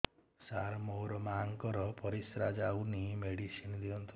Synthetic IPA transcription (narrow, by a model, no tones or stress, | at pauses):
saɾmowɾɔmaŋkɔɾɔpɔɾisɾad͡ʒawnimeɽisind̪iɔnt̪ʰi